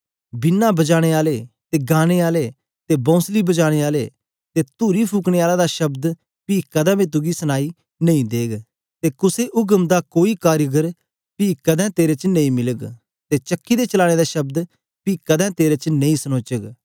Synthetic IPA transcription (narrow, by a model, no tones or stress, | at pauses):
bɪnːabɐd͡ʒaːɽ̃eːaːleː | t̪eːɡaːɽ̃eːaːleː | t̪eːbɔ̃ːsliːbɐd͡ʒaːɽ̃eːaːlḛː | t̪eːt̪uːɾipʰuːkɽ̃eːaːlad̪aʃɐbd̪ | piːkɐd̪ãmẽt̪̬ʊɡisənaːiː | nɐĩd̪eːɡ | t̪eːkʊseʔʊɡəmd̪akoːiːkaːɾjəɡəɾ | piːkɐd̪ɛ̃ːt̪eːɾet͡ʃnɐ̃ĩːmɪləɡ | t̪eːt͡ʃəkːiːd̪eːt͡ʃɐlaːɽ̃eːd̪aːʃɐb̚d̪ | piːkəd̪ɛ̃ːt̪eːɾet͡ʃnɐ̃ĩsənoːt͡ʃəɡ